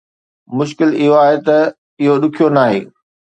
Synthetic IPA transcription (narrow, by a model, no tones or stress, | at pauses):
mʊʃkɪlɪɦoaːɦet̪ɐ | ɪɦoɗʊkʰijonaːɦḛː